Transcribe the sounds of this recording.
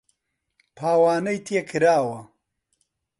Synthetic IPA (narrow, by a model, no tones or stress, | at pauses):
pʰaːwaːnɐjt̪ʰeːkʰɨɾaːwɐ